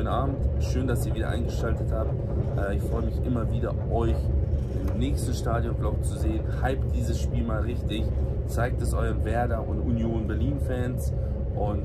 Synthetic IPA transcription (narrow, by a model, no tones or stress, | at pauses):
ənaːbm̩tʃøːndasiːɐviːdɐʔa̰ɪnɡəʃaltəthaːp̚t | ʔɛɪçfʁ̥ɔʏəmɪçʔɪmɐviːdɐʔɔʏçʔɪmnɛːçstn̩ʃtaːdjɔnɡlaʊbçt͡suzeːənhaɪpt̚d̥iːzəsʃpiːlmaːlʁɪçtɪçt͡saɪk̚tɛsʔɔʏʁənvɛɐdɐʔʊntʔunjoːnbɛɐliːnfɛːns | ʔʊnt